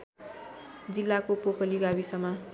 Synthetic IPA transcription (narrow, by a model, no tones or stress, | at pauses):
d͡zilːakopokʌliɡabisʌma